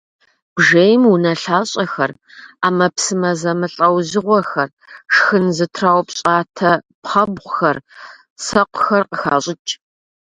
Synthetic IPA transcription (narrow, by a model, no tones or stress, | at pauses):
b̥ʐejmunɐɬaːɕʼɐxɐraːmɐpsɨmɐzɐmɨɬʼɐwzɨʁʷɔxɐr | ʂxɨnzɨtʰraːwpɕʼaːtʰɐpχɐbʁʷʊxɐr | sɐqʷʊxɐrqəxaːɕʼɪt͡ʃʼ